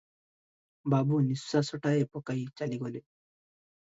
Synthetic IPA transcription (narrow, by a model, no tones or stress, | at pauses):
babunisːasɔʈaepɔkajt͡ʃaliɡɔle